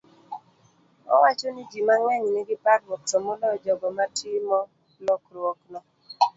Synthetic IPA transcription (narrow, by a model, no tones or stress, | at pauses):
ɔ̰wat͡ʃonɪd͡ʒimaŋɛŋniɡɪpaɾwɔk̚tɔmɔlɔd͡ʒɔɡɔmatʰɪmɔ | lɔkɾwɔknɔ